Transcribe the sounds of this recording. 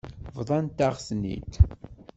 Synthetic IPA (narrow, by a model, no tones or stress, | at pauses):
vðˤɑnt̪aʁsnḭt̪